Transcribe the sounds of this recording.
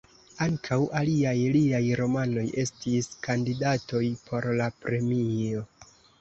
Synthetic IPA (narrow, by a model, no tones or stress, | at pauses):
aŋkʰawaliajliajɾo̞mano̞je̞stiskandidato̞jpʰo̞ɾlapɾe̞mio̞